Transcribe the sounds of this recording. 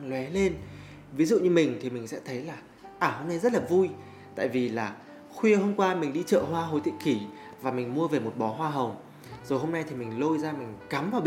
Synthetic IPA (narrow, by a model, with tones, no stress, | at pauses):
ŋlwɛ˨˦le˧n | vi˨˦zṵ˧˨ɲɨ˧mï˨˩ŋ̟t̪ʰi˨˩mï˨˩ŋ̟sɛ̰˧˥t̪ʰə˨˦jlaː˨˩ | ʔaː˨˩ho˧mna˧jzə˦˥t̚laː˨˩vu˧j | t̪a̰ː˧˨jvi˨˩laː˨˩ | xwi˧əɦo˧mkwaː˧mï˨˩ŋ̟ɗi˧t͡ɕə̰ː˧˨hwaː˧ɦo̰˧˨˩jt̪ʰḭ˧˨ki˧˩ | vaː˨˩mï˨˩ŋ̟mu˧əve˨˩mo˨˩t̚ɓɔ˨˦ɦwaː˧ɦə˨˩wŋ͡m | z̥o˨˩jhɦo˧mna˧jt̪ʰi˨˩mï˨˩ŋ̟lo˧jzaː˧mï˨˩ŋ̟ka˨˦mvaː˨˩wɓ